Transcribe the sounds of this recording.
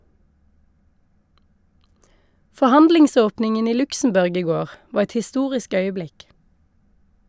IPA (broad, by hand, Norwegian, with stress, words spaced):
fɔˈhɑndlɪŋˌsoːpnɪŋən ˈiː ˈlʉksm̩ˌbʉʁɡ ˈiː ˈɡoːʁ ˈʋɑːʁ ˈɛt hɪˈstuːʁɪsk ˈœʏəˌblɪk